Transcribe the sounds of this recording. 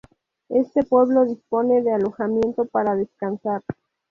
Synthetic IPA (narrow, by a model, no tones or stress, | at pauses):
e̞st̪e̞pwe̞βlo̞ðispo̞ne̞ðe̞alo̞xamje̞nt̪o̞paɾaðe̞skansaɾ